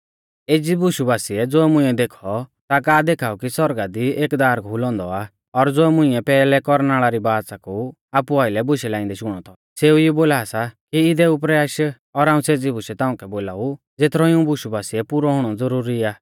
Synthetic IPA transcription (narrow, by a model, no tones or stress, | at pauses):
eːd͡zibʊʃubaːsiɛd͡zoːɛmʊ̃ĩɛd̪eːkʰɔt̪akaːd̪eːkʰaːukisɔɾɡad̪ieːkd̪aːɾkɦʊlɔ̃ːnd̪ɔa | ɔɾd͡zoːɛmʊ̃ɪ̃ɛpɛːlɛkɔɾnaːɭaɾibaːsaku | aːpuaːɪlɛbʊʃɛlãːɪ̃nd̪ɛʃʊɽ̃ɔt̪ʰɔ | seːujiboːlaːsakiɪd̪ɛʊpɾɛjaːʃ | ɔɾaːũseːd͡zibʊʃɛt̪ãːʊ̃kɛboːlaːu | d͡zet̪ʰɾɔɪũbʊʃubaːsiɛpuːɾɔɦʊɽ̃ɔd͡zɐɾuːɾiaː